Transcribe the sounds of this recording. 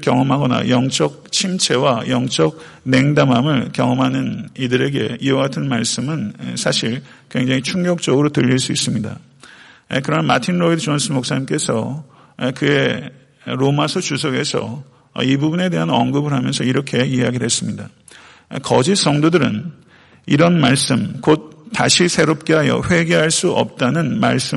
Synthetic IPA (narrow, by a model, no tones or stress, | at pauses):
kjʌŋʌmɦaɡʌna̰jʌŋt͡ɕ͈ʌk̚t͡ɕʰimt͡ɕʰe̞wajʌŋt͡ɕ͈ʌk̚ | ne̞ŋdamɦamɯɭkjʌŋʌmɦanɯnidɯɾe̞ɡe̞iʌɡatʰɯnmaɭs͈ɯmɯnsʰaɕʰiɭkwe̞ŋd͡ʑaŋit͡ɕʰuŋɡʌk̚t͡ɕ͈ʌɡɯɾotɯʎːiɭs͈uis͈ɯmɲida̰ | kɯɾʌnamatʰinɾoidt͡ɕonsʰɯmok̚s͈aɲimk͈e̞sʰʌ | kɯe̞ | ɾomasʰʌt͡ɕusʰʌɡe̞sʰʌ̰ | ibubune̞de̞ɦanʌŋɡɯbɯɾɦamjʌnsʰʌiɾʌkʰe̞iaɡiɾɦe̞s͈ɯmɲida | kʌd͡ʑis͈ʌŋdodɯɾɯ̰n | iɾʌnmaɭs͈ɯmkot̚tːaɕʰisʰe̞ɾop̚k͈e̞ɦajʌ̰ɸwe̞ɡe̞ɦaɭs͈uʔʌ̰p̚t͈anɯnma̰ɭs͈ɯm